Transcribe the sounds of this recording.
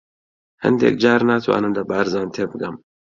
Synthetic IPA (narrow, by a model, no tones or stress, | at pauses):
hɐ̰nd̪ḛːk̚d͡ʒɑːɾnat̪ʰwa̰ːnɨmlɐbaːɾzɑːnt̪ʰeːbɨɡɐm